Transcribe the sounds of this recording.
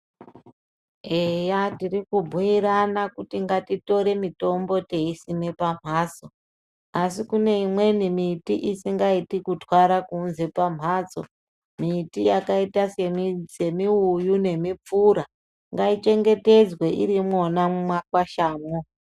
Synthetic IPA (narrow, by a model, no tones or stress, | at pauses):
ejatirikubʱuiɾanakutiŋɡatito̞ɾe̞mito̞mbo̞te̞isine̞pam̤ʱaːt͡so̞ | asikune̞imwe̞nimitiʔisiŋɡaitikutwaɾakuːnze̞pam̤aːt͡so̞̰ | mitijakaitase̞mse̞miujune̞mip͡fuːɾa | ŋɡait͡ʃe̞ŋɡe̞te̞d͡zwe̞ʔiɾimwo̞namumakwaʃaːmo